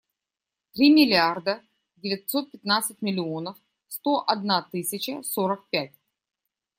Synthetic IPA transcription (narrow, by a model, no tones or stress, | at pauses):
t̪ɾʲimʲɪlʲɪard̪ə | dʲɪvʲɪtʲso̞t̪̚pʲɪt̪nat̪sɨt̚ʲmʲɪlʲɪo̞nəf | st̪o̞ʔɐd̪nat̪ɨsʲɪt͡ɕəsoɾək̚pʲæt̚ʲ